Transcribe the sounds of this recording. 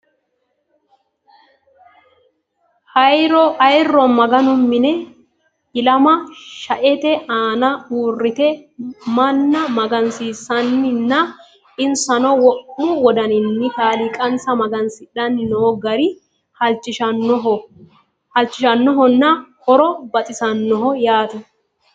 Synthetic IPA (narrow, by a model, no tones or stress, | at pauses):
hɐjɾɔʔɐjrːɔmɐɡɐnʊmːɪnɛ | ɪlɐmɐʃɐʔɛt̪ɛaːnɐuːrːɪt̪ɛmɐnːɐmɐɡɐnsiːsɐnːɪnːɐ | ɪnsɐnɔwɔʔːʊwɔd̪ɐnɪnːɪkaːlɪkʼɐnsɐmɐɡɐnsɪᶑɐnːɪnɔɔɡɐɾɪ | ɐlt͡ʃʼːɪʃɐɔɔ | hɐlt͡ʃːɪʃɐnːɔɦɔnːɐhɔɾɔbɐt̪ʼɪsɐnːɔɦɔjaːt̪ʊ